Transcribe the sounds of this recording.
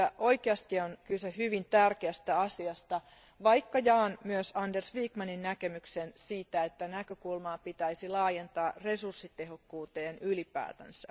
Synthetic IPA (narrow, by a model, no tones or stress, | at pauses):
æʔo̞ikeɑst̪ionkylsehyʋint̪ærkeæst̪æɑsiɑst̪ɑ | ʋɑikːɑjɑːnmyøsɑndersʋiːkmɑninnækemyksensiːt̪æet̪ːænækøkulmɑːpit̪æisilɑːjent̪ɑːre̞sursːit̪ehokːuːt̪eːnylipæ̰ːt̪æ̰nsæ